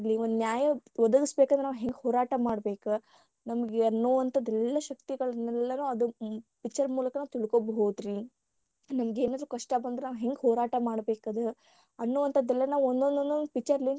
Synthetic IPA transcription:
liond̪unjaːjɐʋɐd̪ɐɡisbeːkand̪ɾenaːʋɦeŋɡhoːɾaːʈɐmaːɽbe̞ːku | nɐmɐɡeɐnːoːʋɐnt̪ʰɐd̪ːɛlːɐʃɐk̚t̪iɡɐɭɐnɛlːɐnuːɐd̪upikt͡ʃːɐɾmuːlɐkɐnaːʋt̪iɭkobɦoːd̪ɾi | nɐmɐɡe̞ːnaːd̪ɾuːkɐʂʈɐbɐnd̪ɾenaːʋɦe̞ŋɡɦoːɾaːʈɐmaːɽbeːkɐd̪e | ɐnːoːʋɐnt̪ʰɐd̪ɛlːɐnaːʋond̪ond̪ond̪onupit͡ʃɐɾlin

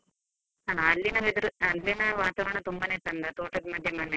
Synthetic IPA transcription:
aːlːinɐʋed̪uɾɨɐlːinɐʋaːt̪aʋɐɳɐt̪umbɐneʈ̪ːɐnd̪ɐt̪oːʈːɐd̪mɐd̪ʱjɐmɐnːɐ

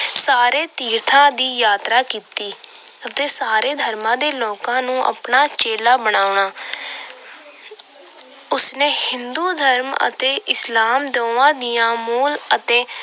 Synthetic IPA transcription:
saːɾeːt̪iːɾt̪ʰãːd̪iːjaːt̪ɾaːkiːt̪iːət̪eːsaːɾeːd̪ʱəɾmãːd̪eːloːkãːnũːʔə̰pɳaːt͡ʃeːlaːbəɽ̃aːʊɳaː | ʊsneːhɪnd̪uːd̪ʱəɾmə̰t̪eːʔɪslaːmd̪oːãːd̪ɪjãːmuːlət̪eː

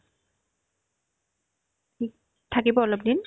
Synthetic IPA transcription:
i | tʰakibɔɔlɔp̚din

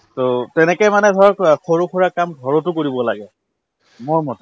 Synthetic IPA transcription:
totɛnɛkɔjmanɛdʱɔɹɔxʰoɹukʰɔɹakamdʱɔɹɔtʊkoɹibɔla̰ɡɛ | mʊɹmɔtɛ

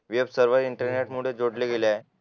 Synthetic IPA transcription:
ʋebsəɾʋəɾiɳʈəɾneʈmuɽ̤ed͡zoɽleɡelja

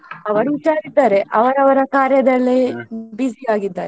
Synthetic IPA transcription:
ɐʋɐɾuːʈːaːɾid̪ːaːɾeʔɐʋɐɾɐʋɐɾɐkaːɾjɐd̪ɐlːibisiaːɡid̪ːa̰ːɾe

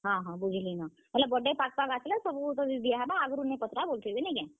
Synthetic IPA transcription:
ɦãɦãːbud͡ʒʱlinã | mɐt̪ləbɐɖepaːk̚paːkaːtelasɐbkot̪od̪ijaɦɛbaaːɡɾunːepɐt̪ɾaboːlt̪eenẽikãː

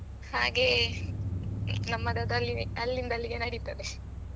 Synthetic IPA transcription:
haːɡe | nɐmːɐd̪ɐd̪ɐlːiɐlːind̪ɐlːiɡenɐɽit̪ːɐd̪e

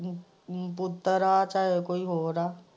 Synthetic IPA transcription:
pʊt̪ːəɾaːt͡ʃaːɦekoːiɦoːɾaː

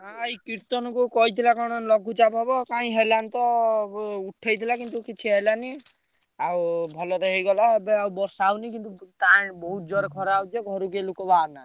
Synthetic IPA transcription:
ɦajkiɾt̪ɔnɔkukɔɦit̪ʰilakɔɽ̃ɔnlɔɡʱut͡ʃapɔbɔkaĩɦelant̪ɔ | uʈʰːajt̪ʰilakint̪ukit͡ʃʰiɦelani | awbʱɔlɔɾeɦejɡɔlaebeawbɔɾsauwnikint̪ut̪ãbɔɦut̪̚d͡ʒɔɾekʰɔɾawt̪eɡʱɔɾuɡelukɔbaɾna

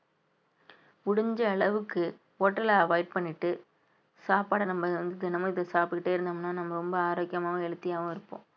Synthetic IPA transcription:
ʊɽʊɲd͡ʒɐɐɭɐʋɯkːɯ | oːʈːɐlɐɐʋɐɪɖ̚pɐɳːɪʈːɯ | saːpaːɽɐnɐmːɐɯʋɐnd̪ɯðɪnːɐmɐ̃ɪðɐsaːpɯkɪʈːeːɪɾɯnd̪ɐmɐnːaːnɐmːɐɾɔmbɐaːɾoːkɪjɐmaːɣɐ̃ɛɻɯt̪ːɪjaːʋɐ̃ɪɾɯpːõ̰ː

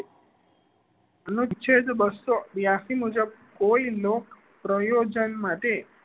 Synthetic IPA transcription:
ənut͡ʃʰed̪bəsobjasimud͡ʒəb̚koilok | pɾəjod͡ʒənmaʈe

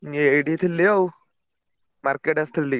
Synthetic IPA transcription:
iajɖiːt̪ʰilːiow | maɾkeʈɐst̪ʰilːi

